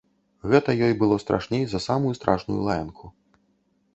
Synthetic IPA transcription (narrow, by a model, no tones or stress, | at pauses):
ɣɛt̪ɐjɔjbɨlˠɔst̪ɾʔa̰ʂnʲejzɐsamujust̪ɾʔaʂnujṵlˠajɐnkʰu